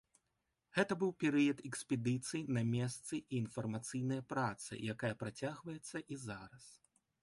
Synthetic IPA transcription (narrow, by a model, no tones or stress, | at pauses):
ɣɛt̪ɐbɨwpʲɛɾɨjɐt̪ɛksʲpʲɛd̪ɨt̪sɨjinɐmʲɛst̪sɨʔiːnfɐrmat̪sɨjnɐjɐpɾat̪sɨ̰jakajɐpɾat͡sʲaɣvɐjɛt̪sːɐʔizaɾɐs